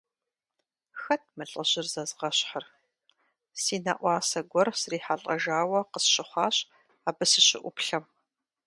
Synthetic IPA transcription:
xɐt̚ʰmɨɬʼɐʑɪrzɐzʁɐɕħɐr | siːna̰ʔʷɑːsɐɡʷɔrsriːħaɬʼɐ̰ʒaːwɐqəsɕʼɪχʷɑːɕ | aːbɨsɨɕɪ̰ʔʷʊpɬɐm

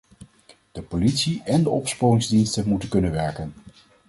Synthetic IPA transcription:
d̥əpolitsiɛndəɔpspomɪŋzdinstənmutənkɵnənʋɛɹkən

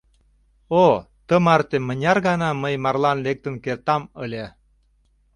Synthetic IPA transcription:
o | t̪əmɑrt̪emənʲɑrɣɑnɑməjmɑrlɑnlek̚t̪ə̆nkert̪ɑməlʲe

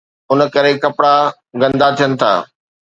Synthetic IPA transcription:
ʊnə̆kɐɾekɐpɽa | ɡɐ̃nd̪at̪ʰijənɪ̆t̪ʰa̰ː

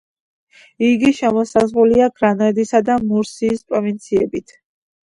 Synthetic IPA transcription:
iɡiʃɛmɔsazʁuliaɡɾanɔɛd̪isad̪amuɾsiːspʼɾɔvint̪sʰiɛbit̪ʰ

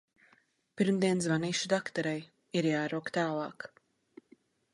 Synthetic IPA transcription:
piɾmd̪iɛnzvaniːʃud̪akt̪ɔɾɛj | iɾjaːɾuɔkt̪aːlˠɑːk

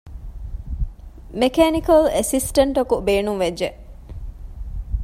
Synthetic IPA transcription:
mekeːnikɐlesisʈɐɳʈɐkubeːnuŋʋed͡ʒe

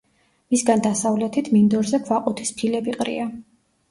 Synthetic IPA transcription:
misɡand̪asavlɛt̪ʰit̪ʰmind̪ɔɾzɛkʰwaqʼut̪ʰispʰilɛbiqʼɾḭa

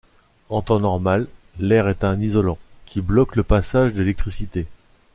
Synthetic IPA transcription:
ɑ̃t̪ɑ̃nɔʁmalː | ɛʁɛt̪ɛ̃nizɔlɑ̃kʲʰiblɔkləpasaʒd̪elɛk̚t̪χisit̪e

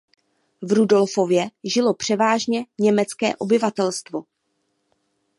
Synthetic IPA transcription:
vɾudo̞lfo̞vjɛʒɪlo̞pr̝̥ɛvaːʒɲɛɲɛmɛt͡skɛ̰ːʔo̞bɪvat̪ɛlst̪vo̞

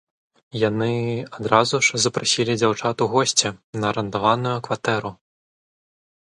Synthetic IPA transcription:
janɨad̪ɾazuʂzɐpɾasʲilʲid͡zʲawt͡ʂat̪uɣɔsʲt͡sʲɛnɐɾɐnt̪avanujukvat̪ɛɾu

